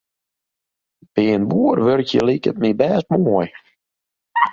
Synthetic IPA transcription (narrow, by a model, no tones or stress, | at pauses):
b̥ɪənbuərʋørkjə̰likət̚mibɛːst̚mɔj